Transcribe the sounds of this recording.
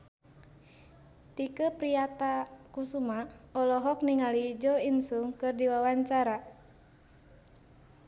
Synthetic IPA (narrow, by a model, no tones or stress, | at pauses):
t̪ikəpɾiat̪akusumaɔlɔɦɔk̚niŋalid͡ʒɔinsuŋkɨrdiwawaɲt͡ʃaɾa